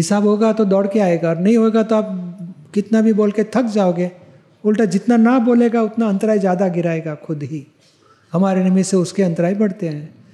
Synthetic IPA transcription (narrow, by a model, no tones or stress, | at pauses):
ɦɪsaːbɦoeɡat̪od̪ɔːɽkeaːeːɡaɔːɾnɐɦĩɦoeːɡat̪oaːp̚kɪt̪nabʱiboːlket̪ʰɐkd͡ʒaːoːɡeː | ʊlʈad͡ʒɪt̪nanaboːleːɡaʊt̪naɐ̃nt̪əɾaːizjaːd̪aɡɪɾaːeːɡaxʰʊd̪ɦi | hɐmaːɾenɐmiseʊskeɐ̃nt̪ɾaːibɐɽt̪eɦɛ̃ː